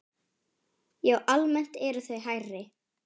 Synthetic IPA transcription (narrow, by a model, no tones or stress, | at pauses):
jɛɣʔalmɛn̥t̪ɛɾʏθœɥɦajrːɪ